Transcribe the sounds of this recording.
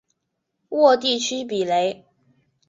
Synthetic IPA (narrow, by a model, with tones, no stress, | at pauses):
wɔ˥˧t̪i˥˩t͡ɕʰy˥pi˨˩le˧˥ɪ